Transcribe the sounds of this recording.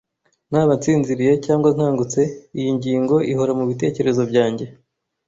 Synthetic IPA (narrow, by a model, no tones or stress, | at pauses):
n̥haːβant͡siːnziɾije̞caːŋɡwaŋ̥haːŋɡut͡se̞ijiɲɟiːŋɡo̞ʔiɦoɾamuβite̞ːce̞ɾe̞zo̞bjɟaːɲɟe̞